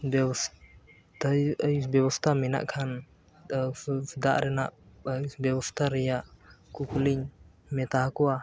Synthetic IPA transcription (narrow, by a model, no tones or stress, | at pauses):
bɛs | t̪jəjbɛbɔst̪ʰamɛna̰ʔkʰan | d̪aʔɾɛnaʔbɛbɔst̪ʰaɾɛjaʔkukuliɲ | mɛt̪aɦkɔwa